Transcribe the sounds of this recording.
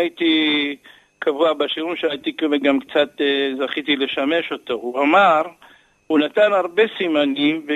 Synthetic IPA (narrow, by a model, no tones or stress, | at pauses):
jit̪i | kavuabaʃiɾunʃeait̪ikemeɡamkt͡sat̪zaχit̪ileʃame̞ʃo̞t̪o̞uamaʁ | unat̪anaʁbesimanimve